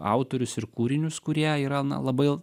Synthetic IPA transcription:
ɑ̰ˑʊt̪oːɾʲʊsɪɾkuːɾʲɪnʲʊskʊɾʲiɛiːɾɐnɐ̰lˠɐbɐɪ

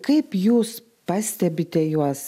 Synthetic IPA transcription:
kɐɪpjuːs | pɐsʲt̪ʲɛbʲɪt̪ʲɛjuɔs

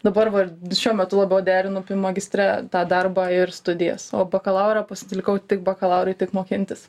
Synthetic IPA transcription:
d̪ɐbɐɾʋɐʃʲuɔmʲɛt̪ʊlˠɐbʲɛʊd̪ʲæːɾʲɪnʊpʲɪmɐɡʲɪsʲt̪ʲɾʲæt̪ɑːd̪ɐrbɑːɪrst̪ʊd̪ʲɪjɛ̰soːbɐkɐlˠɐʊɾɐːpɐsʲɪt̪ʲlʲɪkɐʊt̪ʲɪk̚bɐkɐlˠɐʊɾʲɐɪt̪ʲɪkmoːkʲɪnʲt̪ʲɪs

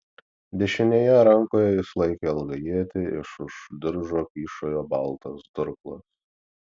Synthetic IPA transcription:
d̪ʲɛʃʲɪnʲeːjɛɾɐŋkoːjɛjɪslˠɐɪkʲeɐlˠɡɐjiɛt̪ʲɪɪʃʊʃd̪ʲɪɾʒoːkʲiːʃoːjoːbɐlˠt̪ɐsd̪ʊɾklˠɐs

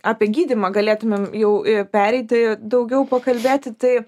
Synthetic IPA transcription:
ɑːpʲiɛɡʲiːd̪ʲimɐɡɐlʲeːt̪ʊmʲemjɛʊɪpʲæːɾʲɛɪt̪ʲɪd̪ɐʊɡʲɛʊpɐkɐlʲbʲeːt̪ʲɪt̪ɐɪ

